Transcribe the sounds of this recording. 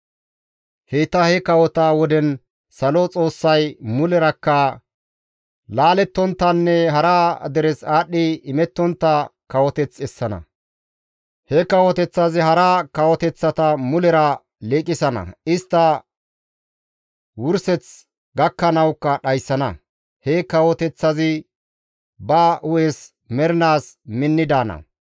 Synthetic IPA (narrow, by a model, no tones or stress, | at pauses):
het̪ːɐhɛkɐwɔt̪aːwɔd̪ɛn | sɐlɔt͡sʼo̞ːsːɐjmʊlɛɾɐkːɐ | laːlɛt̪ːɔnt̪ːɐnːɛɦɐɾaːd̪ɛɾɛsaːɗːɪɪmɛt̪ːɔnt̪ːɐkɐwɔt̪ɛt͡sɛsːɐnɐ̰ | hɛkɐwɔt̪ɛt͡sːazɪɦɐɾɐkɐwɔt̪ɛt͡sːɐt̪ɐmʊlɛɾɐ | leːkʼːɪsɐnɐ̰ɪst̪ːɐ | wʊɾsɛt͡s | ɡɐkːɐnɐwkːɐɗɐjsːɐnɐ̰ | hɛkɐwɔt̪ɛt͡sːɐzɪ | bɐʊjes | mɛɾɪnaːsmɪnːɪd̪aːnɐ̰